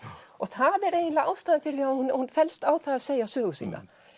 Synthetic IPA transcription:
ɔɣθaðɛɾeːjɪnlaaːwst̪aːðɪnfɪɾɪθahunhunfɛlst̪aːwθaðaðseːjasœːɣʏsḭːna̰

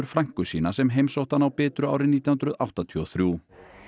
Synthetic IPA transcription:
ʏɾ̥fɾaŋ̥kʏsḭːnasɛmɦejmsowht̪anawpɛːt̪ɾʏa̰ːwɾɪniːt̪jahʏnɾʏða̰wht̪at̪ʰiɔθɾjuː

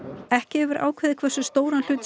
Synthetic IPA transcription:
ɛhcɪɛvʏɾʔa̰ːwkʰvɛːðɪkʰvɛ̥sʏst̪oːwɾanl̥ʏːt̪

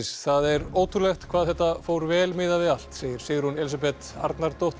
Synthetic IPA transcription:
sθaðɛɾoːwt̪ʰʏlɛxt̪kʰvaːðθɛht̪ːafoːwɾvɛːlmɪːðavɪal̥t̪seːjɪɾ̥seːɣɪɾhunɛlisapɛt̪a̰ɾt̪naɾt̪oht̪

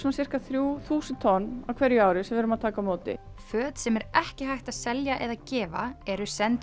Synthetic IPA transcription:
sɔnasɪr̥kaθɾjuːθuːsɪnt̪ʰɔnːavkʰvɛɾjʏaːwɾɪsɛmvɛːɾʏmaðt̪ʰaːkamoːt̪ɪ̰ | fœːt̪sɛmɛɾɛhcɪɦajht̪aðsɛljaʔɛðacɛːva̰ɛɾʏsɛnt̪

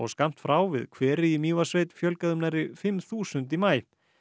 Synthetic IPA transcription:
ɔ̰ɣskam̥t̪fɾaːwvɪ̰ðkʰvɛːɾɪimiːvasveːjt̪fjœlkaðʏmnaɾɪfɪmθuːsʏnt̪imaːj

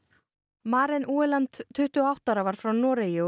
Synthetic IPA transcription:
maːɾɪnʔuːɛlant̪ʰːʏht̪ʏɔawht̪aɾavaɾ̥fɾawnɔːɾɪjɪ

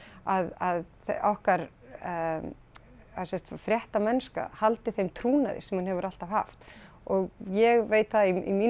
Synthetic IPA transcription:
aðaðθʔahkaɾ | asɛht̪fɾjɛht̪amɛnska̰halt̪ɪθejmt̪ʰɾuːnaðɪ̰̥sɛmhunhɦɛvʏɾal̥t̪av̥ha̰ft̪ | ɔɣjɛɣveːjt̪θaiḭmiː

